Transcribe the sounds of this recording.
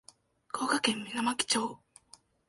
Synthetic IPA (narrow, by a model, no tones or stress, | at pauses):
kʰoːkakẽ̞mːʲinamakʲi̥t͡ɕoː